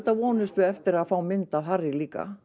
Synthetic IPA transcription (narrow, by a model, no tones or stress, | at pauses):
t̪avɔːnʏst̪vɪɛft̪ɪɾaðfaːwmɪnt̪avɦarːɪliːka̰